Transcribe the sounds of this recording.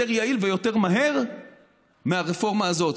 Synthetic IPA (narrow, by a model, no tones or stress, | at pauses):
eʁjailve̞jo̞te̞ʁmaɦe̞ʁ | meaʁefo̞ʁmaːzo̞t